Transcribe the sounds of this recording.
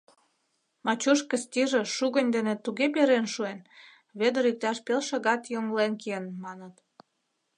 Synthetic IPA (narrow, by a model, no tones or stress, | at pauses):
mɑt͡ɕuʃkə̆st̪ʲiʒeʃuɣə̆nʲd̪enet̪uɣepeɾenʃuen | βed̪ə̆ɾik̚t̪ɑʃpelʃɤ̆ɣɑt̪joŋlenkeənmɑnət̪